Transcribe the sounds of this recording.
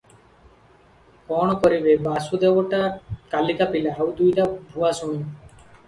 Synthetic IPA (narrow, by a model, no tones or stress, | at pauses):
kɔːɽ̃ɔkɔɾibebaːsud̪ewɔʈakalikapilaːwd̪ujɾabʱuasũĩ